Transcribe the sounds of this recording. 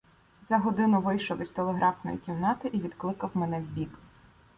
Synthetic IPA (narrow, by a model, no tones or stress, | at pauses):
zɐɦɔd̪ɪnʊʋɪjʃɔʋisʲt̪ɔlˠeɦɾʔɑfnɔ̰jḭkʲiwnɑt̪ɪʔiʋʲid̪klˠɪkɐwmɛnɛwʲbʲik